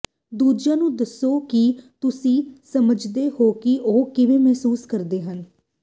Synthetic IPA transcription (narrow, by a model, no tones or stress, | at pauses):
d̪uːd͡ʒãːnũːd̪əsːoːkɪt̪ʊsĩːsəməd͡ʒd̪eːhoːkɪʔoːkɪʋeːmɛɦsuːskəɾd̪eːɦən